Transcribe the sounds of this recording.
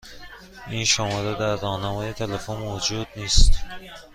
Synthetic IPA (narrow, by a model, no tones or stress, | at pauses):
ʔinʃɒmod̪ed̪æɾːɒːnæmɒːjet̪ʰelefonmod͡ʒuːd̪̚niːst̪